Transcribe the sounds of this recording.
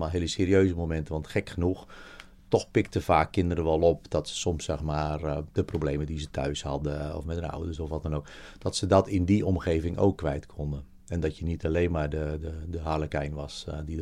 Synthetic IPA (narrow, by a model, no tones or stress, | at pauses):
malˠɦɪːlˠəseːɾiøːzəmomɛntəʋɑntxɛkxənux | tɔxpɪktəfaːkːɪndəɾəʋɔlˠɔpd̥ɔtsə̥sɔmsːɛxmaːrd̥əprobleːmədizətʰœɥshɑ̰dəɔ̰fmɛtəna̰wdərsɔfʋɔtɛnoːk | d̥ɔtsədɔtɪndiɔmxeːvɪŋʔo̰ːkːʋɛjtkʰɔndə | ɛndɔtjənitaleːnmaːrdədədəɦaləkɛjnʋɑsdi